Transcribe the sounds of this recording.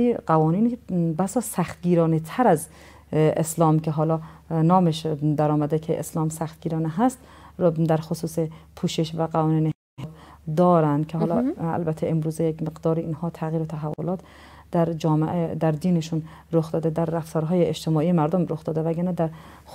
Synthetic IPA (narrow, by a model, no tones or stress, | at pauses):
iɢ̥ævɒːniːnibæsɒːsæxt̪ɡiːɾɒːnet̪ʰæɾæz | eslɒːmkʲʰeɦɒːlɒːnɒːmeʃd̪æɾɒːmæd̪ekʰeʔḛslɒːmsæxt̪̚ɡiːɾɒːneɦæst̪ | d̪æɾxosuːsepʰuːʃeʃvæɡævɒːniːne | he | d̪ɒːɾænd̪kʰeɦɒːlɒːæ̰lbæt̪ʰːeʔemɾuːzejekmeɡd̪ɒːɾiinhɒːt̪ʰæɣiːɾot̪ʰæɦævːolɒːt̪ | d̪̥æɾd͡ʒɒːmeʔed̪æɾd̪iːneʃun | ɾoxd̪ɒːd̪ed̪æɾːæft̪ɒːɾɦɒːjeed͡ʒt̪ʰemɒːiːjemæɾd̪omɾoxd̪ɒːd̪evæɡæɾnæd̪æɾ